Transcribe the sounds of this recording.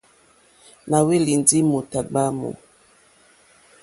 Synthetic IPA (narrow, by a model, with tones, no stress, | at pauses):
na˨we˦li˨nd͡zi˦mo˨ta˨ɡ͡ba˦mo̰˨